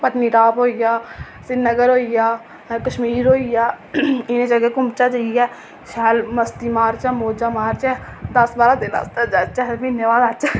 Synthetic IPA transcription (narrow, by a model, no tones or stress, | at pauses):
pəʈniːɾaːpɦoːijaː | sɪnəɡəɾɦoːijaː | kəʃmiːɾoːijaː | ɪnẽd͡ʒəɡeːkʊmt͡ʃaːd͡ʒəijɛː | ʃɛːlməst̪iːmaːɾt͡ʃɛːmoːd͡ʒaːmaːɾt͡ʃɛːd̪ɐsbaːɾaːd̪ɪna̰st̪əd͡ʒaːt͡ʃɛbɪnəʋaːd̪at͡ʃɛː